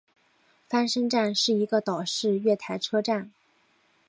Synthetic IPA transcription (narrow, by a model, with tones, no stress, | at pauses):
fa˥nʂə˥ŋʈ͡ʂa˥˧nʂɻ̩˥˩i˧˥ɡə˧t̪ɑ˨˩ʊʂɻ̩˥˧ɥɛ˥˩t̪ʰa˧˥ɪʈ͡ʂʰɤ˥ʈ͡ʂa˥˩n